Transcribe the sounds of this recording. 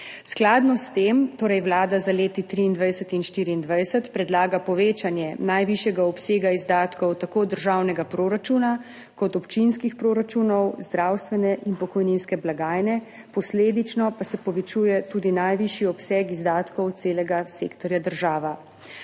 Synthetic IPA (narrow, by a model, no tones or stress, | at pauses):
sklad̪nɔst̪emt̪oːɾɛjwlaːd̪azaleːt̪it̪ɾiːnd̪ʋajsət̪inʃt̪iːɾiːnd̪ʋajsət̪pɾɛd̪laːɡapɔʋeːt͡ʃanjɛnajʋiʃjɛɡaɔpseːɡaizd̪aːt̪kɔwt̪akoːd̪əɾʒawnɛɡapɾoːɾat͡ʃuːna | kɔt̪ɔpt͡ʃinskixpɾoːɾat͡ʃuːnɔwzd̪ɾaːwst̪ʋɛnɛʔinpɔkɔjninskɛblaɡaːjnɛ | pɔsleːd̪it͡ʃnɔpasɛpɔʋɛt͡ʃuːjɛt̪uːd̪inajʋiʃiɔpsɛkizd̪aːt̪kɔwt̪seːlɛɡaseːkt̪ɔɾjad̪əɾʒaːʋa